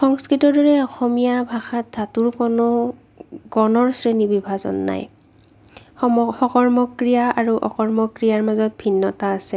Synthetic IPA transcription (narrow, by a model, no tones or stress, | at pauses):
xɔŋskɹitɔɹdɔɹɛɔxɔmijabʱaxat̚dʱatuɹkonʊ | ɡɔnɔɹsɹenibibʱazɔ̰nːa̰j | xɔkɔɹmɔkɹijaʔaɹuʔɔ̰kɔɹmɔkɹijaɹmazɔt̚bʱinːɔtaːsɛ